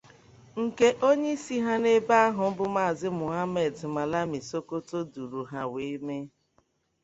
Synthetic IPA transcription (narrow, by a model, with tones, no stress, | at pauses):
ŋ̩˨ke˦ʔo˦ɲe˦i˦si˦ɦa˦ne˦ba˦a˦ɦʊ˨m̩˦bʊ˦ma˦˨zɪ˦mʊ˨ɦa˦me˨dma˨la˦mi˨so˦ko˦to˦du˨ɾu˨ɦa˦we˨˦me˦